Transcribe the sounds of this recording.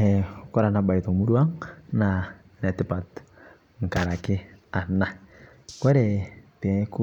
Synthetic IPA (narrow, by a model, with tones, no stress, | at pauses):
ɛ˨kɔ˦ɾa˨na˨ba˨i˨tɔ˨mu˦ɾwa˦ŋna˨ | nɛ˨tɪ˦pa˨t | ŋ̩˨ka˨ɾa˨kɪ˦a˨na˨ | kɔ˦ɾɛ˨tɛ˨˦ku˦